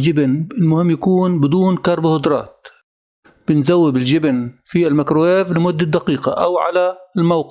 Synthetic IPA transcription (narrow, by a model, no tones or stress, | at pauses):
d͡ʒɪbnɪlmʊhɪmːjakuːnbɪd̪uːnkɑɾˤbahʊd̪ɾˤɑ̰ːt̪̚ | b̥ɪnzawːɪbɪld͡ʒɪbnfilmakɾueːvlɪmʊd̪ːad̪aqiːqa̰ʔawʕa̰lalmawq